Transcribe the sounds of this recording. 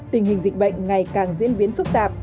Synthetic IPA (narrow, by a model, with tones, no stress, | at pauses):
t̪ï˨˩ŋ̟hï˨˩ŋ̟zï˨˩k̟̚ɓə̰˧˨ŋ̟ŋa˨˩jkaː˨˩ŋzḭ˧˥ənɓi˨˦ənfɨ˦˥k̚t̪aː˨˩p̚